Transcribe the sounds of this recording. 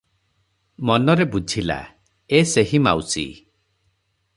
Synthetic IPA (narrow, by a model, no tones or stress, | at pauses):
mɔnɔɾebud͡ʒʱila̰ | eseɦima̰wsḭ